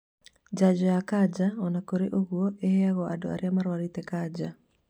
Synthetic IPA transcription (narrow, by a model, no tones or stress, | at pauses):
d͡ʒad͡ʒɔjakad͡ʒaɔnakoɾeʔoɣwoʔeheaɣɔadɔa̰ɾɪamaɾwaɾit̪ɛkad͡ʒa